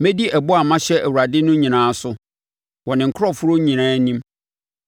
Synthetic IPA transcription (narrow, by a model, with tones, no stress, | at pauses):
mɛ̃˦di˦ʔɛ˨bʊ˦a˨mã˦ɕɛ˦ʔæ˨wu˨ɾa˨dɪ˦nʊ̃˦ɲĩ˨nãː˨˦sʊ˦ | wɔ˨nɪ̃˨ŋ̩˨kʰʊ˦ɾɔ˦fʊ˦ɾʊ˦ɲĩ˨nãː˦nĩ˦m